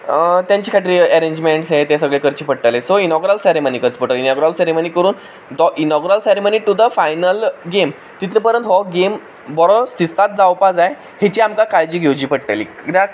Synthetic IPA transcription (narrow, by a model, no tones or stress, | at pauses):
t̪jaɲt͡ɕiːkʰaʈɾiːɛɾeɲd͡ʑmeɳʈsɦet̪esəɡɭekəɾt͡ɕiːpəɽ̚ʈ̪alesoinɔɡɾalseɾemənikət͡spoʈəlinɔɡɾalseɾeməniːkəɾuːn | d̪ɔʔinɔɡɾalseɾeməniːʈud̪əfajnəlɡem | t̪it̪lepəɾə̃nt̪ɦɔɡem | bɔɾɔst̪ist̪at̪̚d͡zawpad͡zaj | het͡ɕiamkakaɭd͡ʑiːɡʱewd͡ʑiːpəɽʈ̪alḭɾa